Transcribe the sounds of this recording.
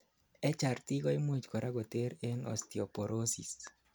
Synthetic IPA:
ɛt͡ʃart̪iɡɔimud͡ʒkɔɾʔaɡot̪eɾenɔ̰st̪iɔpoɾʔosis

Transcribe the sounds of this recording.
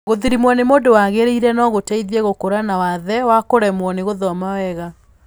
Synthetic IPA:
ɣoðiɾimwɔnemoːdowaɣeɾeiɾɛnɔɣotɛiðiɛɣokoɾanawaðɛwakoɾɛmwɔneɣoðɔmawɛɣa

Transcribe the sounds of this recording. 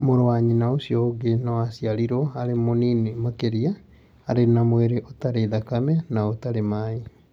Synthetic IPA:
moɾowaɲinaosjɔoɡenɔasiaɾiɾɔaɾemoninemakeɾiaː | ɾenamweɾeʔotaɾeðakamɛnaotaɾemai

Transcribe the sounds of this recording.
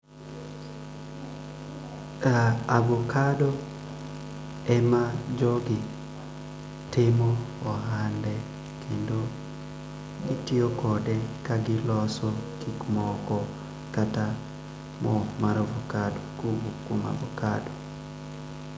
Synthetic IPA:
aaɡokadɔ | ɛmad͡ʒɔɡɪ | tɪmɔɔɦandɛ | kʰendo | ɡitiokɔdɛkaɡɪlɔsɔkʰikmɔkɔ | kata | mɔmaɾovokadokuɡukoma̰bokado

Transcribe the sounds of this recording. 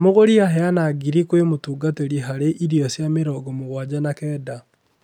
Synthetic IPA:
moɣoɾiaɦɛanaːɡiɾikwemotuːɡateɾiɦaɾeʔiɾiasjameɾɔːɡɔmoɣwad͡ʑanakɛːda

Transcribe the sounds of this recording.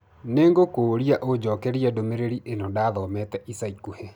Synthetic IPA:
neːŋɡokoːɾiaʔod͡ʑɔːkɛɾiadomeɾeɾiʔenɔdaːðɔmɛtɛʔisaikuhe

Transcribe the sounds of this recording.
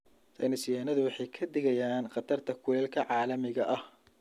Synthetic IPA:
sɐ̰jnɪsɪjaːnɐðʊwɑħɑjkʰɐd̪ɪɣɐjaːnqɑt̪ʰɐrt̪ʰɐkʰʊwɛːlkʰɐʕɑːlɐmɪɣɐʔɐh

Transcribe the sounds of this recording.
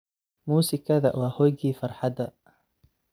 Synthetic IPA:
muːsɪkʰɐðɐwɑːhɔjɡiːfɑrˤħɑd̪ɐ

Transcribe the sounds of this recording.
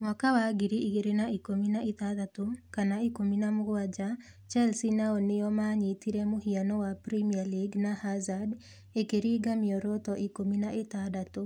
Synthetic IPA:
ŋakawaɡɪɾiːɡeɾenaikominaɪt̪ad̪at̪okanaikominamʊɡwad͡ʒa | t͡ʃɛlsinaonɪjɔmaɲit̪iɾemʊhianɔwapɾimialiɡnahazad | ekeɾiɡamɪjɔɾot̪ɔʔikominaʔɪt̪ad̪at̪o

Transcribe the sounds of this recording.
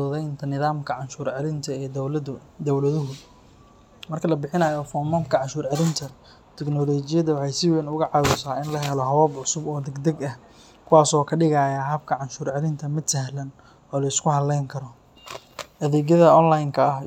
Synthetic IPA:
ɔðɛjnt̪ʰɐnɪðaːmkʰɐʕɑnʃuːrʕlɪnt̪ʰɐɛː | d̪ɐwlɐðʊɦʊ | mɐrkʰɐlɐbɪħɪnɐːjɔfɔmaːmkʰɐʕɑʃuːrʕɑlɪnt̪ʰɐ | t̪ʰɛɡnɔːlɔːt͡ʃɪjɐðɐwɑħɑjsɪwɛnʊɣɐʕɑwʊsaːɪnlɐɦɛlɔɦɐβɔːbʕʊsʊbɔːd̪ɛɡd̪ɐɡɐh | kʰʊwaːsɔːkʰɐɖɪɣaːjaɦɐb̚kʰɐʕɑnʃuːrʕɑlɪnt̪ʰɐmɪd̪sɐɦlɐn | ɔːlɐɪskʰʊhɐlːɛjŋkʰɐɾɔ | ʔɐðɛːɣjɐðɐɔnlajnkʰɐː

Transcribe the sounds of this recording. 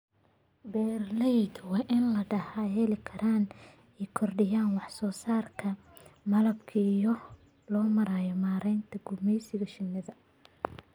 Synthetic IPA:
bɛːrlɛjd̪wɑːʔɪnlɐɖɐhaːjɛlɪkʰɐɾaːn | ɛjkʰɔrɖɪjaːnwɑħsɔːsaːrkʰɐ | mɐlɐbkʰɐijɔ | lɔːmɐɾaːjɔmaːɾɛjnt̪ʰɐɡʊmɛjsɪɣɐʃɪnːɐðɐ

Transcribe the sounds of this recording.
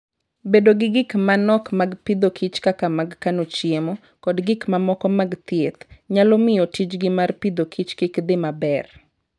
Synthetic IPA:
bedoɡɪɡɪkmanɔkmaɡpid̪okʰit͡ʃkakamaɡkanot͡ʃɪemɔ | kɔdɡɪkmamɔkɔmaɡt̪jet̪ɲalɔmɪjɔtit͡ʃɡɪmarpid̪okʰit͡ʃkɪkd̪ɪmabɛr

